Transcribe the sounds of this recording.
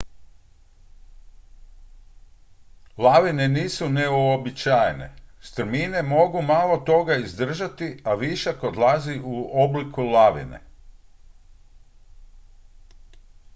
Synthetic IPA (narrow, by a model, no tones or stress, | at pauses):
laʋine̞niːsune̞uobit͡ʃaːjne̞̰st̪ɾ̩mine̞mo̞ɡumalˠo̞t̪o̞ɡaizd̪r̩ʒat̪iaʋiʃakod̪lˠaziʔuoblikulaʋḭnḛ